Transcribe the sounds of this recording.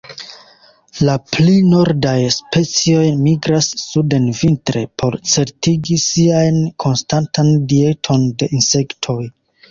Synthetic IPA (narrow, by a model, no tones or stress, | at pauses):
laplino̞ɾdajspe̞t͡sio̞jmiɡɾasːude̞nvintɾe̞pʰo̞ɾt͡se̞ɾtiɡisiajnkʰo̞nstantʰandie̞tʰo̞nde̞ʔinse̞ktʰo̞j